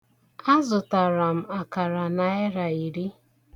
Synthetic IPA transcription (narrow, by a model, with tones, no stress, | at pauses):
a˦zʊ˨ta˨ɾa˨m̩˨a˨ka˨ɾa˨na˨ɪ˦ɾa˨i˨ɾi˦